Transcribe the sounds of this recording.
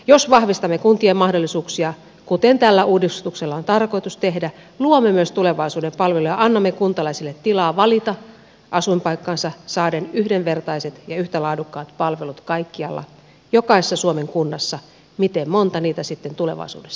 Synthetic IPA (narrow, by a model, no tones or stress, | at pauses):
josʋɑhʋist̪ɑmːekunt̪iemɑhdolːisuːksiɑ | kut̪ent̪ælːæʔuːdist̪ukselːɑont̪ɑrko̞it̪ust̪ehdæ | luomːemyøst̪uleʋɑisuːdempɑlʋelujɑʔɑnːɑmːekunt̪ɑlɑisilːet̪ːilɑːʋɑlit̪ɑ | ʔɑsumpɑikːɑnsɑsɑːdenyhdeʋʋert̪ɑiset̪jɑyht̪ælɑːdukːɑːt̪pɑlʋelut̪kɑikːiɑlːɑ̰ | jokɑˑise̥sːɑsuomeŋkunːɑsːɑ | mit̪emmont̪ɑniːt̪æsit̪ːent̪uleʋɑ̰isṵːdesːɑ̥